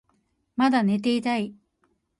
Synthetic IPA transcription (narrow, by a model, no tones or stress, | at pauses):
mad̪ane̞t̪e̞it̪ai